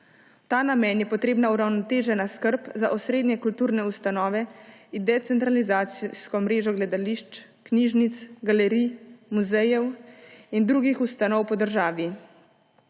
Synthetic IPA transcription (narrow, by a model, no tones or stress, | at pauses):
t̪aːnamɛːnjɛpɔt̪ɾeːbnauɾawnɔt̪eːʒɛnaskəɾpzaʔɔsɾeːd̪nɛkult̪uːɾnɛust̪anɔːʋɛind̪ɛt̪sɛnt̪ɾalizaːt̪sskɔmɾeːʒɔɡlɛd̪aliʃt͡ʃ | kniːʒnit̪sɡalɛɾimuzɛjɛwind̪ɾuɡixust̪anɔwpɔd̪əɾʒaːʋi